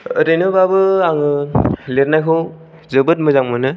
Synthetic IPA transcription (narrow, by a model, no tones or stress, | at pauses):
ɯɾɯjnɯbabɯaŋɯleɾnajkʰɯw | zɯbɯt̚mɯzaŋmɯnɯ